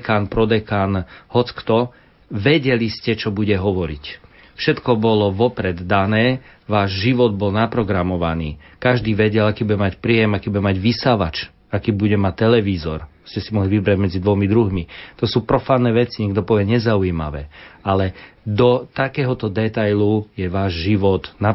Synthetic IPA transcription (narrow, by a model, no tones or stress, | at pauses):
kaːnpɾɔd̪ɛkaːnhɔt͡skt̪ɔ | ʋɛɟɛliscɛt͡ʃɔbuɟɛɦɔʋɔɾḭc | fʃɛt̪kɔbɔlɔʋɔpɾɛd̪d̪anɛː | ʋaːʒʒiʋɔd̪̚bɔlnapɾɔɡɾamɔʋanḭː | kaʒd̪iːʋɛɟɛlakiːbuɟɛmacpɾiːjɛmakiːbuɟɛmaɟʋisaʋa̰t͡ʃ | akiːbuɟɛmact̪ːɛlɛʋiːzɔ̰ɾ | scɛsimɔɦliʋibɾaɟmɛd͡zid̪ʋɔmid̪ɾuɦmit̪ɔsuːpɾɔfaːnːɛːʋɛt͡siɲɛɡd̪ɔpɔʋɪɛɲɛzauima̰ʋɛ̰ːalɛd̪ɔt̪akɛːɦɔt̪ɔd̪ɛt̪ajlujɛʋaːʒʒiʋɔt̪na